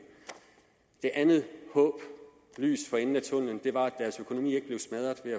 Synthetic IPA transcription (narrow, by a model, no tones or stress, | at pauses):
d̥e̝ʔænð̩ˠhɔ̽ːb̥ | ly̰ːsfɒ̽enn̩æt͡sʰɔ̽n̰n̩d̥e̝ʋɑ̈æ̥æɐsøkʰo̝no̝mḭːe̝ɡ̥əb̥le̝ʊsmæð̞ˠɐðˠʋe̝æ